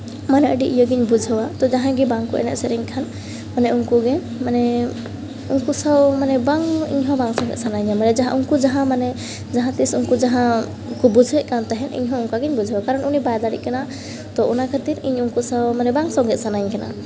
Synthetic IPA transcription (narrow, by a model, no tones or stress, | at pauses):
manɛʔəɖiʔijɔɡiɲbud͡ʒʱəwat̪ɔd͡ʒaɦãɡibaŋkɔʔɛ̰nɛ̰ʔ̪sɛɾɛɲkʰan | manɛunkuɡɛ | manɛ | unkusawmanɛbaŋḭɲɦɔ̃baŋsɔ̃ŋɡɛ̰t̪̚sʰanaɲamanɛd͡ʒaɦã̰ʔunkud͡ʒaɦãmanɛ | d͡ʒaɦãt̪isunkud͡ʒaɦã | kɔbud͡ʒʱɛʔ̚kant̪aɦɛnḭɲɦɔ̃unkaɡiɲbud͡ʒʱwakaɾɔnunibajd̪aɽḭʔ̚kana | t̪ɔʔunakʰat̪iɾiɲunkusawmanɛbaŋsɔ̃ŋɡɛt̪̚sanaɲkana̰